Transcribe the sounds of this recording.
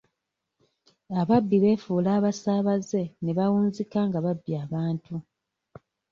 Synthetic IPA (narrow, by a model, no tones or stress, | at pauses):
aβabːiβe̞ːfuːlaːβasaːβaze̞ne̞βawuːnzikaŋɡaβabːiaːβaːntu